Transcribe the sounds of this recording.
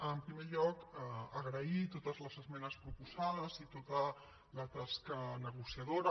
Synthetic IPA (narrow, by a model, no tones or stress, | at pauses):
əmpɾimeʎɔkəɣɾəit̪ot̪əzləzəzmɛnəspɾupuzaðəzit̪ot̪ə | lət̪askənəɣ̞usiɐðoɾə